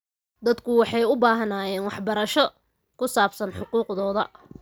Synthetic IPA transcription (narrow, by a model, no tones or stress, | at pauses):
d̪ɐd̪kʰʊwɑħɑjʊbaːɦɐnaːjɛːnwɑħbɐɾɐʃɔ | kʰʊsaːbsɐnħʊquːqðɔːðɐ